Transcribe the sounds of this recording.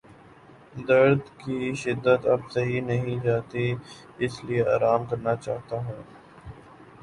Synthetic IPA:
d̪ɐɾd̪kiʃɪd̪ːət̪ɐbsɐɦinɐɦĩd͡ʒaːt̪i | ɪsliea̰ːɾaːmkɐɾnat͡ʃa̰ːɦt̪aɦɛː

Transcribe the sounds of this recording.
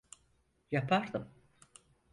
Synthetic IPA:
japʰaɾd̪ɯm

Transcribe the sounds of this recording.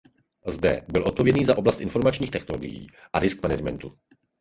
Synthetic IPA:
zdɛ̰bɪlʔo̞t̪̚povjɛniːzaʔo̞blast̪ʔɪnfo̞ɾmat͡ʃɲiːxt̪ɛxnolo̞ɡɪ̰jḭːʔaɾɪskmɛnɛd͡ʒmɛ̰nt̪ṵ

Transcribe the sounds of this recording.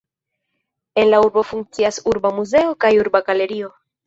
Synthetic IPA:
e̞nlauɾbo̞fuŋk̚t͡siasuɾbamuze̞okajuɾbaɡale̞ɾio̞

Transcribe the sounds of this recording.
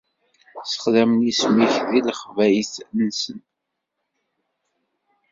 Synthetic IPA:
sə̥χðæmnismiçðilχvæjiθnsən

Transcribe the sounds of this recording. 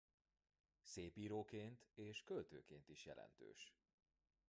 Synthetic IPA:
seːpiːɾoːkeːnt̪eːʃkølt̪øːkḛːnt̪iʃjɛ̰lʔɛ̰nt̪ø̰ːʃ

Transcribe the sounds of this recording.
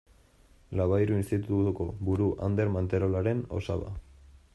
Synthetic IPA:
laβajɾuinst̪it̪uut̪uko̞buɾuʔa̰nd̪e̞ɾmant̪eɾolaɾe̞no̞̰sa̰βa̰

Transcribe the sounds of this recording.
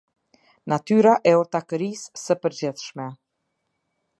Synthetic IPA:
nat̪yɾaʔɛɔɾt̪akəɾisːəpəɾd͡ʑiθʃmɛ

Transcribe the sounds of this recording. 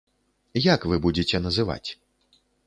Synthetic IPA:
jakvɨbud͡zʲɪt͡sʲɛnɐzɨva̰t͡sʲ

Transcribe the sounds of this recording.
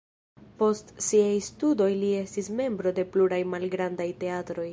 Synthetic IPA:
po̞stsiajstudo̞jlie̞stisme̞mbɾo̞de̞pluɾajmalɡɾandajte̞atɾo̞j

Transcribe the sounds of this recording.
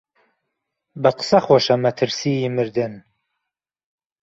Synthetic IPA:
bɐqə̥sɐxoːʃɐmɐt̪ʰɨɾsiːimɨɾd̪ɨn

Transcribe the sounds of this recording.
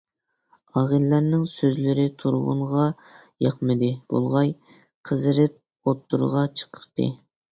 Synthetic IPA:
ɑʁəlːæɾnɪŋsøzlɪɾɪt̪ʰṵɾʁʊ̰ɴʁɑ | jɑ̰qmɨd̪ɪb̥o̰lˠʁɑj | qʰəzɨɾɪp̚ | ot̪ːuɾʁɑt͡ʃʰə̥qʰə̥qt̪ʰɨ̰

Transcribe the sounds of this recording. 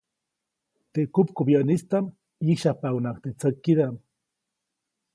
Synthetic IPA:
t̪eʔkupkobjəʔnist̪am | iʃahpawnakt̪eʔt͡səkːiðam

